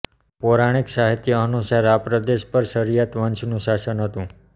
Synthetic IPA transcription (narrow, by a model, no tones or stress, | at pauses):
poɾaɽ̃iksaɦit̪jəənusaɾapɾəd̪eʃpəɾʃəɾijat̪ʋənt͡ʃʰnũʃasənɦət̪ũ